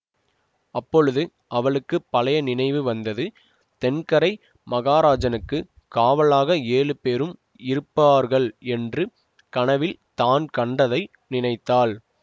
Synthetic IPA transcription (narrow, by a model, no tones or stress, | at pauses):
ɐpːɔɻɯðɯ | ʔɐʋɐɭɯkːɯpːɐlɐjɐnɪnɐɪʋɯʋɐnd̪ɐðɯ | t̪ɛnkɐɾɐɪ | mɐɣaːɾaːd͡ʒɐnɯkːɯ | kaːʋɐɭaːɣɐeːlɯpeːɾɯm | ɪɾɯpːaːɾɣɐɭɛndrɯ | kɐɳɐʋɪlt̪aːnkɐɳɖɐðɐɪ | nɪnɐɪt̪ːaːl